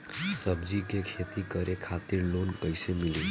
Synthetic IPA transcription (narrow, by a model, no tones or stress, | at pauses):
sʌbd͡zikekʰet̪ikʌɾʔekʰat̪iɾlonpəjsemilu